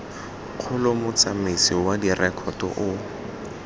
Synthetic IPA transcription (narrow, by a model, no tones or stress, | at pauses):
q͡χʰʊlʊmʊt͡samɪsiwadirɛkʰɔtɔ̰ʔʊ